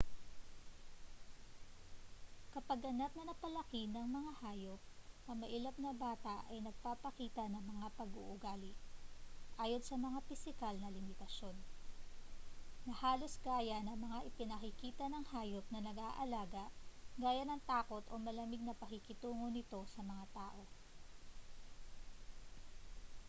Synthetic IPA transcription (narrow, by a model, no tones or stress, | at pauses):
kɐpɐɡʔɐnap̚nɐnɐpɐlɐkinɐŋmɐŋahaːjo̞p̚nɐmɐʔɪlɐp̚nɐbaːt̪ɐʔɐjnɐɡ̚paːpɐkiːt̪ɐnɐŋmɐŋapɐɡṵʔʊɡaːlɪ | ʔaːjod̪sɐmɐŋafɪsɪkalnɐlɪmɪt̪ɐʃo̞n | nɐhaːlo̞sɡaːjɐnɐŋmɐŋaʔɪpɪnɐkɪkiːt̪ɐnɐŋhaːjop̚nɐnɐɡaːʔɐlaːɡɐʔɡaːjɐnɐŋt̪aːko̞t̪ʔo̞mɐlɐmɪɡ̚nɐpɐkɪkɪt̪uːŋonɪt̪o̞sɐmɐŋat̪aːʔo̞